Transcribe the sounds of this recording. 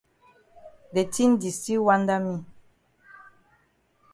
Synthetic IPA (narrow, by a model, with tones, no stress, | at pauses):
de˨ti˦n˦di˨si˦wa˦nda˦mi˦